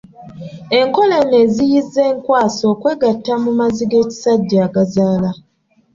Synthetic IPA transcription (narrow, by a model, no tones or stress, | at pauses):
e̞ŋko̞le̞ne̞ːzijizːe̞ːŋkwaːso̞ːkwe̞ːɡatːamumaziɡe̞ːci̥saɟːaːɡazaːla